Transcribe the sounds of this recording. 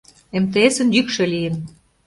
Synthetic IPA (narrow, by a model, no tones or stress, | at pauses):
emt̪eesə̆njykʃĕlijə̆n